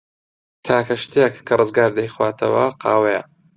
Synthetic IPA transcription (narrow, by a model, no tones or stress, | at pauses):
t̪ʰaːkɐʃt̪ekːʰɐrˤɨzɡaːɾd̪ɐjxwaːt̪ʰɐwɐ̰qʰɑːwejɐ